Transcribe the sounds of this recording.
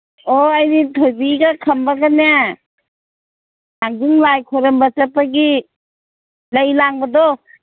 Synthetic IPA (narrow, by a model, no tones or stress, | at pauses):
oajnitʰojbiɡakʰɐmbaɡana | naŋdiŋlajkʰɔɾɐmbatapːaɡi | lajlaŋbadɔ